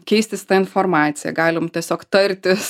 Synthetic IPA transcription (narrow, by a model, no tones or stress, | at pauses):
kʲɛɪsʲt̪ʲɪst̪ɐɪnfoːɾmɑːt̪sʲɪjɛ̰ɡɑːlʲɪmtʲiɛsʲoːkt̪ɐɾʲt̪ʲɪs